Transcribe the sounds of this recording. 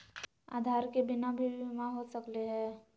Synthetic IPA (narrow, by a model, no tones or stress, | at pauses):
a̰ːd̪ʱaːɾkebɪnabʱimãɦoːsəkleɦɛ̃ː